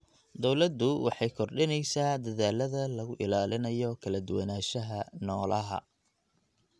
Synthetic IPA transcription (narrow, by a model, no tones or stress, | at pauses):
d̪ɔwlɐd̪ʊwɑ̰ħɑjkʰɔrɖɪnɛjsaːd̪ɐðaːlɐðɐlɐɣʊʔɪlaːlɪnɐjɔkʰɐlɐd̪ʊwɐnaːʃɐɦɐnɔːlɐɦɐ̰